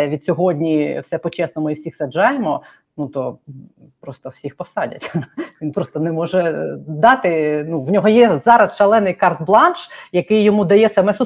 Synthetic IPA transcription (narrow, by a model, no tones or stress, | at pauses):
ʋʲid̪̥sʲɔɦɔdʲnʲiwsɛpɔt͡ʃɛsnɔmʊiwsʲixsɐd͡ʒɑjemɔ | nut̪ɔ | pɾɔst̪ɔwsʲixpɔsɑdʲɐ̰tʲʋʲinpɾɔst̪ɔnɛmɔʒɛd̪ɑt̪ɪnuwnʲɔɦɔjɛzɑɾɐsʃɐlˠɛnɪjkɑrt̪̚blˠɑnʃjɐkɪjːɔmud̪ɐjɛsɐmɛsʊ